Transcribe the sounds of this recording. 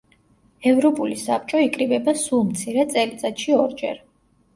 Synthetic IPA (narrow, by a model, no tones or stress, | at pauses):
ɛvɾɔpʼulisap̚t͡ʃʼɔikʼɾibɛbasulˠmt̪sʰiɾɛt̪sʼɛlit̪sʼat̪ʃiɔɾd͡ʒɛ̰ɾ